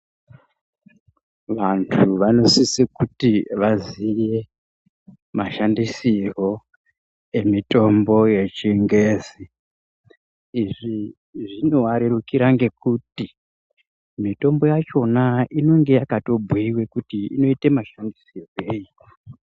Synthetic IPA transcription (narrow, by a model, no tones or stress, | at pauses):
ʋantʰuʋano̞sisikutiʋazije̞ | maʃandisiro̞ | e̞mito̞mbo̞je̞t͡ʃiŋɡeːzi | iʐi | ʐino̞waɾerukiɾaŋɡe̞kuti | mito̞mbo̞jat͡ʃo̞naino̞ŋɡe̞jakato̞bʱwiwe̞kutiḭno̞itemaʃandisiroeji